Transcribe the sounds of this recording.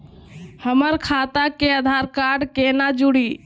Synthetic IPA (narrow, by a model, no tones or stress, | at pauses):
həməɾkʰaːt̪akeəd̪ʱaɾkaːɾɖkenad͡ʒuɽiː